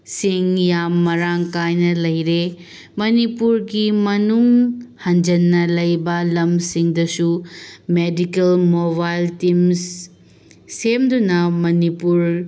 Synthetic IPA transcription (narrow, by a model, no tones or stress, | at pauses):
siŋjamːɐɾaŋkajnɐlɐjɾe | mɐnipuɾɡimɐnuŋhɐnd͡ʒɐnːɐlɐjbɐlɐmsiŋdɐsumedikɐlmoβajltims | semdunɐmɐnipuɾ